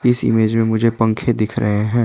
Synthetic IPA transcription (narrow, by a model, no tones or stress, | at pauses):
ɪsɪ̰meːd͡ʒmẽmʊd͡ʒʱepɐ̃ŋkʰed̪ɪkʰɾɐɦeɦɛ̃ː